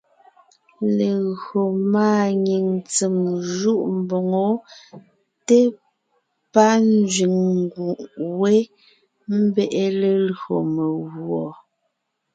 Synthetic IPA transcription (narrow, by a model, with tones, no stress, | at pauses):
le˨ɣo˨maː˦˨ɲi˨ŋt͡se˨mʒu˦ʔm̩˨bo˨ŋo˨˦ | te˦ | pa˦n˦d͡zɥi˨ŋ˦ɡu˨ʔwe˦ | m̩˦bɛ˦˨ʔe˦le˨lɰo˨me˨ɣwɔ˨